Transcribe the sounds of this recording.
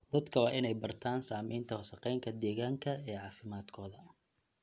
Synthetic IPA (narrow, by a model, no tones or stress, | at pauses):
d̪̥ɐd̪kʰɐwɑːʔɪnɛjbɐrt̪ʰaːnsaːmiːnt̪ʰɐwɐsɐqɛjŋkʰɐd̪ɛːɣaːŋkʰɐɛːʕɑːfɪmaːd̪kʰɔːðɐ